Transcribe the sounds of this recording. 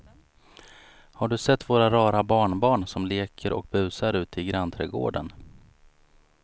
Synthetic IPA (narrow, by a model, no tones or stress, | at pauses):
haɖɵsɛt̪ːvoːɾaɾɑːɾabɑːɳbɑːɳsɔmleːkʰəɾʔɔ̰k̚bʉ̟ːsaɾʉ̟ːt̪ɪɡɾant̪ʰɾɛːɡo̰ːɖən